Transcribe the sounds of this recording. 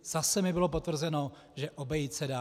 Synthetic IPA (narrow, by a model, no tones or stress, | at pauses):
z̥asɛmɪbɪlo̞p̬o̞t̪vr̩zɛno̞ | ʒɛʔobɛjit̪sɛdaː